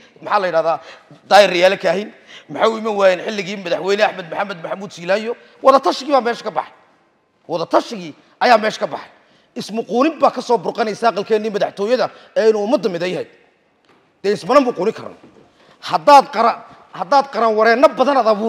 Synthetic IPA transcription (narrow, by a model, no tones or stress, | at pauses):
mɐħaːlɐjɪɽaːðaːd̪aːjɪrɪjaːlɐkʰaɦin | mɐħaʊɪmɐnwaːjɛnħɪlːɪɣiːmɐðɐħwɛjnɛaħmɐd̪mʊħamɛd̪mɐħamuːd̪siːlaːjɔ | wɑðɐt̪ʰɐʃɪɣiːβaːmɛːʃɐ̥kʰɐbɑ̰ħɑj | wɑðɐt̪ʰɐʃɪɣiː | ʔɐjaːmɛːʃkʰɐbɑħɑj | ɪsmʊquːnɪmbaːkʰɐsɔːbʊrqɑnɛjsaːɑqɐlkʰɛːnːiːmɐðaħt̪ʰɔːjɐðɐɛːɪnuːʊmɐd̪ɐmɪðɐjɦɛj̪ | d̪̥ɛːɪsmɐnɐmbʊquːnɪkʰɐ̰rnɔ̰ | hɐd̪aːd̪qɐɾɐ | hɐd̪aːd̪qɑɾɐnwɑɾɛːnɐbɐðɐnɐðɐβuː